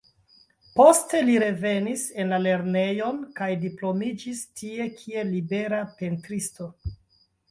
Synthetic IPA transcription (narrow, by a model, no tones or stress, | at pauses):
po̞ste̞liɾe̞ve̞nise̞nlale̞ɾne̞jo̞nkajdiplo̞mid͡ʒistie̞kʰie̞libe̞ɾape̞ntɾisto̞